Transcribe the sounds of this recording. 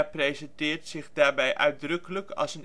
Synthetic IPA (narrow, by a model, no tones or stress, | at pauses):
prejzɛntɪːɹtsɪχdaːɹbɛjʔœɥdrɵkələkɑ̰lˠsən